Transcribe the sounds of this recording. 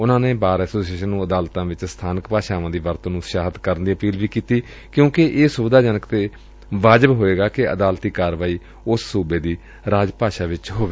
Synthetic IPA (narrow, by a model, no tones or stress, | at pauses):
ʊnãːneːbaːɾɛːsoːsieːʃənːũːəd̪aːlt̪ãːʋɪt͡ʃst̪ʰaːnəkpaːʃaːʋãːd̪iːʋəɾt̪õːnũːʃaːɦət̪kəɾənd̪iːəpiːlʋiːkiːt̪iː | kjõːkɪʔeːsʊbd̪aːd͡ʒaːnəkt̪eː | ʋaːd͡ʒəbɦoːeːɡaːkɪə̰d̪aːlt̪iːkaːɾʋaːiː | ʊsːuːbeːd̪iː | ɾaːd͡ʒpaːʃaːʋɪt͡ʃɦoːɡeː